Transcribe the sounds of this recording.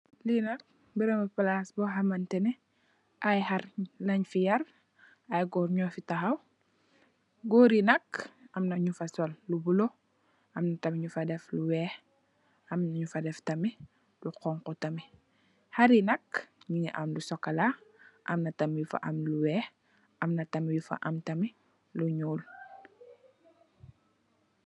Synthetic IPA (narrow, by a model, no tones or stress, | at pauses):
linɐk̚ | biɾɛmɐpalasbɔɦamɐntɛnɛ | ʔajharlɐɲfijɐr | ajɡɔɾɲɔfitaɦɐw | ɡɔːɾinɐkɐmnɐɲufɐsɔlːubulo | ɐmnɐtɐmɲufɐdɛfluwɛːh | ʔɐmnɐɲufɐdɛftɐmi | luqɔŋqɔtɐmi | haɾinɐkɲiŋiʔamlusɔkːɐlaʔɐ̰mnɐtɐmjufa̰ʔɐmluwɛːh | ʔɐmnɐtɐmijufɐ̰ʔɐmtɐmi | luɲuːl